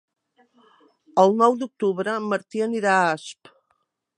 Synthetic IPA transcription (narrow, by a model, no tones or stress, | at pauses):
əlˠnɔwd̪uk̚t̪uβɾəməɾt̪iəniɾaasp